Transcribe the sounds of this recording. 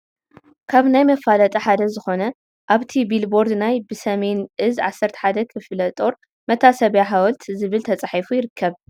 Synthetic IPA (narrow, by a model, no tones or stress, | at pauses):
kʰaβnajmɐfalɐt̪ʼɐħad̪ɐzɨxo̞nɐ | ʔaβt̪ʰibilbo̞ɾd̪najbɨsɐme̞nʔɨzʕasːɐɾt̪ʰɐ̥ħad̪ɐkʰɨflɐt̪ʼo̞ɾ | mɐt̪ʰasɐβjaħawɔlt̪ʰzɨβɨlt̪ʰɐt͡sʼaħifujɪɾɨkʰːɐβ